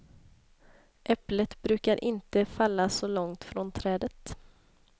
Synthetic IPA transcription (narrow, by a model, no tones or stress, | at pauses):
ʔɛplət̪bɾʉ̟ːkaɾʔɪnt̪əfalːasɔlɔŋt̪fɾɔnt̪ʰɾɛːd̪ət̪